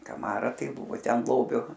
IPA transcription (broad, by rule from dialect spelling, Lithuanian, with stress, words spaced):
kɐˈmɑːrɐ ˈtɐɪ ˈbʊʋoː ˈtʲɛn ˈlˠoːbʲʊ